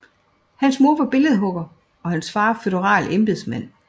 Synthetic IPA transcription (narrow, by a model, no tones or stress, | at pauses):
hænsmo̝ɐ̰ʋɑ̈b̥e̝ləð̞̩ˠɦɔ̽ɡ̥ɐ | ɒ̽hænsfɑ̈ːføð̥ˠəʁɑ̰̈ːlemb̥eðˠsmæn̰